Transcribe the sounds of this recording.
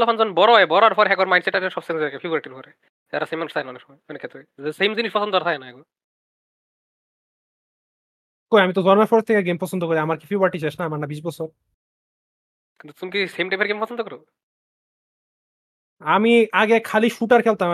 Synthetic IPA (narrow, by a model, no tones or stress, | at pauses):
lɔpʰand͡zɔnbɔɾɔjbɔɾɔaɾfʰɔɾeɦɛkɔaɾmajnseʈaɾeʃɔbsenzekepʰibɔɾaʈiɾpɔɾe | aɾasejmanɾt̪ʰajnaɔnekʃɔmɔjɔnekʰːet̪esemd͡ʑiniʃpɔsond̪ɔaɾt̪ʰakenaɛɡo | koamit̪ozɔnmaɾfɔɾet̪ʰːekeɡempɔsond̪okoɾiamaɾkifʰibɾaʈiʃʰɛʃnaamaɾnabiʃbɔsʰoɾ | kint̪ut̪umkisemʈajmeɾɡempɔsʰond̪okɔɾo | amiʔaɡekʰaliʃuʈaɾkʰɛlt̪a